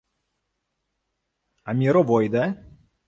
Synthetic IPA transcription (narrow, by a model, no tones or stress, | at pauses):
amʲiɾɔbɔjd̪ɛ